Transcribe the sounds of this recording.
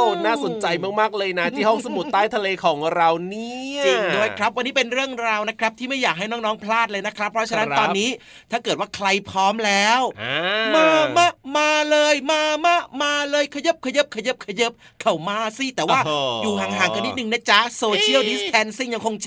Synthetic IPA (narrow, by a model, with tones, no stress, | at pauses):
naː˥˩so˨˩˦nnt͡ɕa˧jma˦˥˩k̚maː˥˩k̚lɤː˧jna˦˥t̪ʰiː˥˩hɔ˥˩ŋsa˧mu˨˩t̪ːaː˦˥˩jt̪ʰa˧leː˧kʰɔː˩˦ŋɾa˧wni˦˥i˧˩du˥˩əjkʰɾa˦˥p̚wa˧nːiː˦˥pe˧nɾɯ˥˩əŋɾaː˧wna˦˥kʰɾa˦˥p̚t̪ʰiː˥˩ma˥˩jaː˨˩k̚ɦa˥˩jnɔː˥˩ŋnɔː˦˥ŋpʰlaː˥˩t̪̚lɤː˧jna˦˥kʰɾa˦˥pʰːɾɔ˦˥t͡ɕʰa˧na˦˥t̪ɔː˧˦nːiː˦˥ | t̪ʰaː˥˩kɤː˨˩t̪̚waː˥˩kʰɾa˧jpʰɾɔː˦˥mlɛː˦˥wmaː˧maː˧˥˩maː˧lɤː˧jmaː˧maː˧˥˩kmaː˧lɤː˧jkʰa˧jɤ˦˥p̚kʰa˧jɤ˦˥p̚kʰa˧jɤ˦˥p̚kʰa˧jɤ˦˥p̚ | kʰa˨˩wmaː˧˩siː˥˩t̪ɛː˨˩waː˥˩juː˨˩ɦaː˩˦ŋɦaː˩˦ŋka˧ni˦˥t̪nɯ˨˩ŋna˦˥˩t͡ɕa˦˥soː˧t͡ɕʰi˥˩əwdi˦˥spʰɛ˨˧˥nsi˥˩ŋja˧ŋkʰo˧ŋt͡ɕʰ